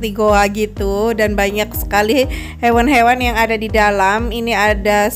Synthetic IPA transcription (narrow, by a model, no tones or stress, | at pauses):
t̪iɡoaɡit̪udanbaɲak̚sə̥kali | hewanɦewanjaŋadadidalaminiada